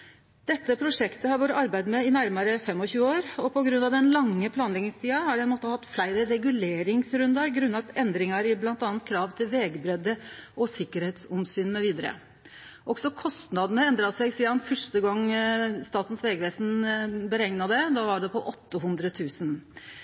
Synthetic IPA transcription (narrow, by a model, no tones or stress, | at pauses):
d̪̥ɛt̪ːəpʰɾʊʂɛkt̪əhɑɾʋoːɾəɑɾbæɪd̪mɛɪnæɾmɑɾəfɛmːɔçʉːəoːɾɔpʰɔɡɾʉnɑʋd̪ɛnlɑŋːəpʰlɑːnlɛɡnɪŋst̪ʰiːɑhɑɖɛɪnmɔːt̪əhɑt̪ːflæɪɾəɾɛɡʉleːɾɪŋsɾʉnd̪ɑɾɡɾʉnːɑt̪ɛnd̪ɾɪŋɑɾɪblɑnt̪ɑnt̪̚kʰɾɑːʋt̪ʰɪlʋeːɡbɾɛd̪ːəʔɔsɪkːəɾheːt̪sɔmsyːnmɛʋiːd̪əɾə̰ | ʔɔksɔkʰɔst̪nɑd̪ənəɛnd̪ɾɑsæɪɡsiːɑnfœʂʈəɡɑŋːst̪ɑːt̪n̩sʋeːɡəʋeːsn̩bəɾɛŋnɑd̪ɛd̪ɑʋɑɖɛpʰɔʔɔt̪ːəhʉnd̪ɾət̪ʰʉːsən